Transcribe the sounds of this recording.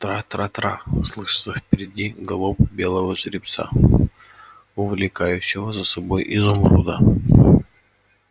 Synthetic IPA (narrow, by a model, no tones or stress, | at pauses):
t̪ɾat̪ɾat̪ɾa̰ʊslˠɨʂɨ̥t̪səfpʲɪɾʲɪdʲiɡɐlˠopbʲe̞lˠəvəʂɾʲɪpt̪sa̰ | ʊvlʲɪkajʉɕːɪvəzəsɐbojʔɪzʊmɾṵd̪ə